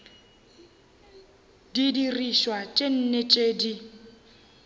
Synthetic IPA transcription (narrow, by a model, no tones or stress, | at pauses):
didiriʃwat͡ʃʼen̩net͡ʃʼeːdi